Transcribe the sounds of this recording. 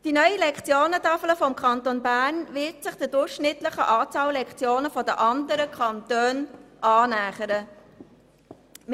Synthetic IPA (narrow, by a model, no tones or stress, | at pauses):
d̥inœʏəlɛkt͡sjoːnətɑfləfɔmkʰɑnt̪onbæːɾnvɪtsɪχd̥ədʊχʃnɪtləχəʔɑːt͡sɑːllːɛkt͡sjoːnəfɔdəʔɑnd̪əɾəkʰɑnt̪øːnʔɑːnæːχəɾə | m